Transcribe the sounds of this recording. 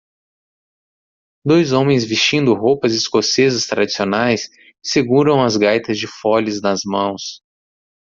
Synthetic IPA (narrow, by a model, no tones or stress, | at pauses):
d̪ojzõmẽj̃zvist͡ʃĩnd̪ʊɦowpɐzɪskosezɐst̪ɾad͡ʒisionajsː | eɡuɾɐ̃w̃ɐzɡajt̪ɐzd͡ʒɪfɔlɪznɐzmɐ̃w̃s